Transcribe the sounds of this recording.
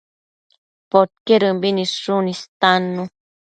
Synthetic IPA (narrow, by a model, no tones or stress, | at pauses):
pot̪̚keɾɨmbinisʂunist̪anːũ